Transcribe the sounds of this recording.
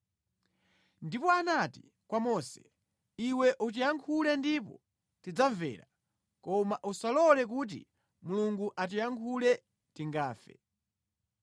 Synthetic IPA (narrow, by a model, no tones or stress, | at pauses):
ndipɔanati | kwamɔsɛ̥ | iwɛʔut̬ijaŋkʰulɛndip̬ɔ̰ | tid͡zaɱvɛ̰ːɾa | kɔmaʔusalɔlɛk̬ut̬ḭ | muluŋɡuʔat̬ijaŋkʰulɛ | tiŋɡaːfɛ̰